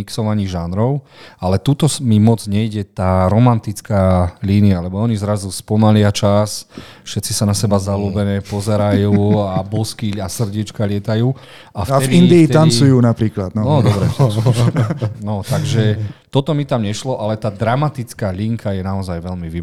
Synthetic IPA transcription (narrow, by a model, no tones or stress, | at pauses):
iksɔʋaɲiːʒanɾɔʊalɛt̪ut̪ɔmimɔd͡zɲɛjɟɛt̪aːɾɔmant̪it͡skaːliːnialɛbɔɔɲizɾazuspɔmalɪat͡ʃas | fʃɛt̪t͡sisanasɛbazaluːbɛnɛːpɔzɛɾajuːabɔskiasr̩ɟiɛt͡ʃkalɪɛt̪ajuː | aft̪ɛind̪iːɛt̪ant͡sujuːnapɾiːklad̪nɔɔd̪ɔbɾɛ | nɔt̪aɡʒɛt̪ɔt̪ɔmit̪amɲɛʃlɔʔalɛt̪aːd̪ɾamat̪it͡skaːʎiŋkʰajɛnaɔzajʋɛlmiʋi